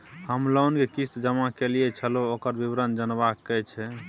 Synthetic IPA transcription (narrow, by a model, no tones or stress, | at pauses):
həmlounkekist̪d͡ʒəmakelijet͡ʃʰəlookəɾbibɾənd͡ʒənbakːɛt͡ʃʰɛ